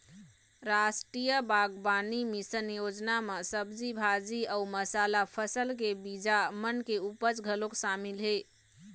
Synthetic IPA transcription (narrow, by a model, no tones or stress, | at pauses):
ɾasʈɾijəbaɡbanimisənjod͡ʒnamesəbd͡ʒibʱad͡ʒiəuməsalapʰəsəlkebid͡ʒamənkeupət͡ʃɡʱəloksamilɦe